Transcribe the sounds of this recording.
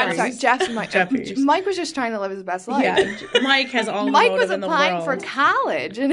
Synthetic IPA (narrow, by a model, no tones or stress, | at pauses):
æ̥d͡ʒɛfmaɪkmaɪkwʌzd͡ʒʌstʰɹ̥aɪɪ̃ŋtʰəlɪv̥ɨzbɛstˡla | maɪkhɨzɔmaɪkwʌzɨ̃nə̥ãɪ̃ɱfə˞tkʰɑlˠɪd͡ʒɨ̃n